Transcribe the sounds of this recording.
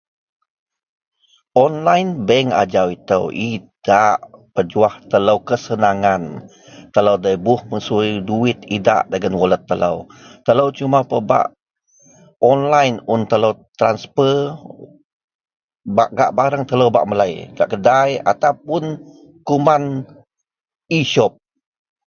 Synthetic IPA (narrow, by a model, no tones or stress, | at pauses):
ʔɔnlajnbəŋa̰d͡ʒawit̪ə̰wʔid̥aʔpəd͡ʒuaht̪ələwkəsənaŋan | t̪ələwdəjbʊhməsuiduɪt̪ida̰ʔdəɡənwɔlət̪ːələ̰wt̪ələwt͡ʃumapəba̰ʔ | ɔnlajnʊnt̪ələwt̪ɾanspər | baʔɡaʔbaɾəŋt̪ələwba̰ʔməlajɡa̰ʔkədaja̰t̪awpʊn | kuman | iʃɔp̚